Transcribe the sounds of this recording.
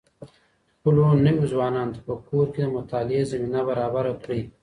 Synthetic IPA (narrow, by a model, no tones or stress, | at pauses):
pʊlonəwuzwɑːnɑːnt̪apəkʰoːɾked̪əmʊt̪ɑːlɪezɐminabaɾɑːbaɾakɽi